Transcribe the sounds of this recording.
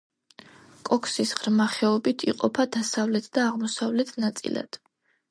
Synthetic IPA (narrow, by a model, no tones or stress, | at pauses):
kʼɔkʰsisʁɾmaχɛɔbit̪ʰiqʼɔpʰad̪asavlɛt̪ʰd̪aːʁmɔsavlɛt̪ʰnat̪sʼḭla̰d̪̥